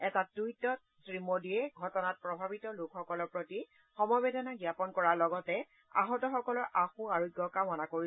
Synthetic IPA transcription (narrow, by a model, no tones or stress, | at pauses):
ɛtatujtɔ | tɹimodijɛɡʱɔtɔnat̚pɹɔbʱabitɔlokxɔkɔlɔɹpɹoti | xɔmɔjbedʱɔnaɡjapɔnkɔɹaɹlɔɡɔtɛ | a̰ɦɔtɔxɔkɔlɔɹʔaxũaɹuɡɔkamɔnakoi